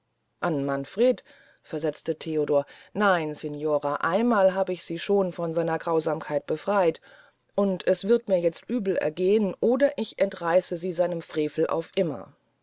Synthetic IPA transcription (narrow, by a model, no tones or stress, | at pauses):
ʔanmanfʁ̥eːt | fɛɐzɛt͡stətʰeːodoːɐnaɪnsenjoːʁaʔa̰ɪnmaːlɦaːbəɪçz̥iːʃoːnfɔnzaɪnɐɡʁaʊzaːmkʰaɪt̚b̥əfʁ̥aɪt | ʔʊntʰɛsv̥ɪɐtmiːɐjɛt͡stʔyːbl̩ɛ̰ɐɡeːənʔoːdɐʔɪçʔɛntʁ̥aɪsəziːzaɪnəmfʁ̥eːfl̩ʔa̰ʊfʔɪmɐ̰